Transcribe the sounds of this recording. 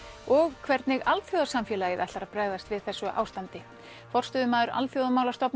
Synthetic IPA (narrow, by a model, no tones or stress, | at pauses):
ɔɣkʰvɛɾt̪nɪɣalt̪fjowðasamfjɛːlajɪvɛjht̪aɾapɾɛɣðast̪vɪðθɛsːʏʔa̰ːwst̪ant̪ɪ | fɔr̥t̪ʏːðʏmaːðʏɾa̰lt̪fjowðamaːwlḁst̪ɔpn